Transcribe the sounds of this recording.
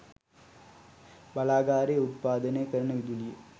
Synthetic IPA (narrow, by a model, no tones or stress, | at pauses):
bɐlaːɡaːɾɐjut̪̚paːd̪ɐnekɐɾɐɳɐʋid̪ulije